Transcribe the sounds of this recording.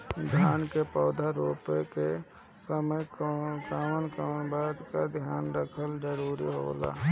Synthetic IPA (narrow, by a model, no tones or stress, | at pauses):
d̪ʱjaːnkepɔːd̪ʱaɾoːpeke | səməjkankanbaːd̪kad̪ʱjaːnɾəkʰəld͡ʒəɾuːɾiɦo̰ːla̰ː